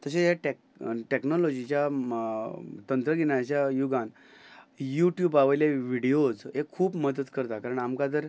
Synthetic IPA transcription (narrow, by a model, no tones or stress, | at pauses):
t̪əɕejaʈe | ʈeknɔlɔd͡ʑit͡ɕja | t̪ənt̪ɾəɡenaəɕjajuɡãn | juʈjubaʋəjljaʋiɽiod͡zekkʰːuːpməd̪ət̪kəɾt̪akaɾəɳamkat̪̬əɾ